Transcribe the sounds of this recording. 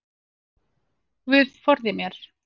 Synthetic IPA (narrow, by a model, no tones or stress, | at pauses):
vɪðfɔɾðɪmjɛɾ̥